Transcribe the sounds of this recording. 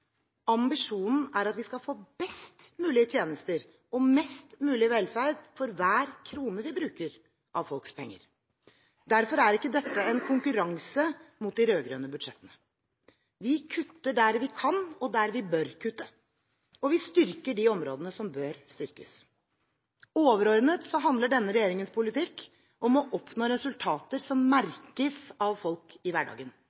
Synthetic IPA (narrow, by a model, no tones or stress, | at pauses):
ɑmbɪʂuːnn̩æɾɑt̪ʋɪskɑfoːbɛst̪mʉːlɪət̪ʰjeːnəst̪əɾ | ɔmɛst̪mʉːlɪəʋɛlfæɾd̪fɔɾʋæːɾkʰɾuːnəʋɪbɾʉːkəɾ | ʔɑʋfɔlkspʰɛŋːə̰ɾ | d̪æɾfɔɾæɾɪkːəd̪ɛt̪ːəɛnkʰʊŋkʉɾɑŋsəmʊt̪̚d̪ɪɾøːɡɾœːnəbʉd̪ʂɛt̪ːənə | ʋɪkʰʉt̪ːəɖæɾʋɪkʰɑnːɔd̪æɾʋɪbœɾkʰʉt̪ːə | ɔʋɪst̪ʏɾkəɖɪɔmɾoːd̪ənəsɔmbøːɾst̪ʏɾkə̰s | oːʋəɾɔɾnət̪sɔɦɑnd̪ləɖɛnːəɾɛjeːɾɪŋənspʰʊlɪt̪ʰɪkː | ʔɔmɔʔɔpːnoːɾɛsʉlt̪ʰɑːt̪əɾsɔmːæɾkəsɑʋfɔlkɪʋæɖɑ̰ːɡən